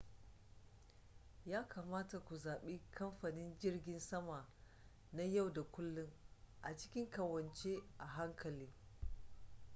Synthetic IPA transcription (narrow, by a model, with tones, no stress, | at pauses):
jaː˦kʰaː˨maː˦ta˨kʷu˨zaː˨ɓe˦kʰɐ˦mɸaː˨nɪ˦nd͡ʒɪ˦rɡʲɪ˨nsɐ˦ma˨ | na˦ja˦˨wda˨kʷʊ˦lːʊ˦ŋʔa˨t͡ʃɪ̥˦kʲɪ˦ŋkɐ˨wɐ˨nt͡ʃe˦ʔa˨ɦa˦ŋkʰɐ˨liː˦